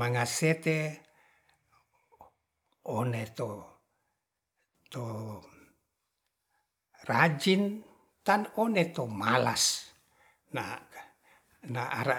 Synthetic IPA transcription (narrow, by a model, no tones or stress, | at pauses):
maŋaset̪e | onet̪o | t̪o | rad͡ʒin | t̪anonet̪omala̰s | na | naa̰ɾa